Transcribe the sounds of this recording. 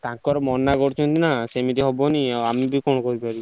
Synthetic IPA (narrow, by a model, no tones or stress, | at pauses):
t̪ãkkɔɾemɔnːakoɾt͡ʃʰont̪inasemit̪iɦɔboniaamibikonokoɾipaɾi